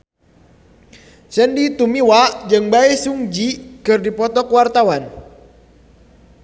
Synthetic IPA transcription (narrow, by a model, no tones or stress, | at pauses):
səndit̪umiwad͡ʒɨŋbaɛsuŋd͡ʒikɨrdipɔt̪ɔkəwart̪awan